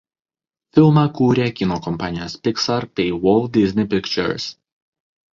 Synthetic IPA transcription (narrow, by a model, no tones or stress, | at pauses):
fʲɪlˠmɑkuːɾʲekʲɪnoːkɔmpɑːnʲɪjoːspʲɪksɐɾpʲɛɪwɔlˠd̪ʲɪzʲnʲɪpʲɪkt͡ʃʲɛ̰ɾs